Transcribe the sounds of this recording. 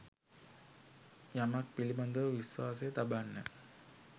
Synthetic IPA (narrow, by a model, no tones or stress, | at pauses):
jamak̚piliband̪əʋiswaːsejət̪abanːə̰